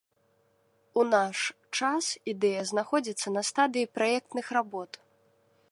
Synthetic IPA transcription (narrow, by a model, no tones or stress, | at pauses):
unaʂ | t͡ʂasid̪ɛjɐznaxɔd͡zʲit̪sːɐnɐst̪ad̪ɨjipɾajɛk̚t̪nɨxrabɔt̪